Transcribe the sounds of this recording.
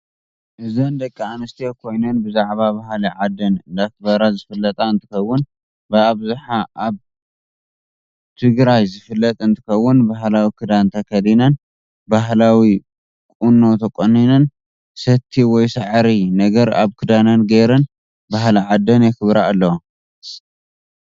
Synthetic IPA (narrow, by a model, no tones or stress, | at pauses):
ʔɨzɐnd̪ɐkʼːianɨst̪ʰijekʰo̞jnɐnbɨzaʕβabaɦliʕad̪ːɐnd̪ak̚bɐɾazɨfɨlːɐt̪ʼaɨnt̪ʰɨ̥kɐwːʊn | bɨaβzuħaʔaβ | t̪ʰɨɡɾajzɨfɨlːɐt̪ʼɨnt̪ʰɨ̥kɐwːʊnbaɦlawikʰɨd̪ant̪ʰɐkʰɐd̪inɐn | baɦlawi | kʼunːo̞t̪ʰɐkʼonːinɐn | sɐt̪ʰːiwɔjsaʕɾinɐɡɐɾa̰βkʰɨd̪anɐnɡeɾɐn | baɦliʕad̪ɐnjɛkʰɨβɾaːlːɐw